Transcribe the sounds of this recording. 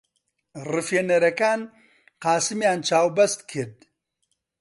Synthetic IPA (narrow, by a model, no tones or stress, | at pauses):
rɨfjeneɾɐkaːn | qaːsimjaːnt͡ʃaːwbɐst̪kʰed̪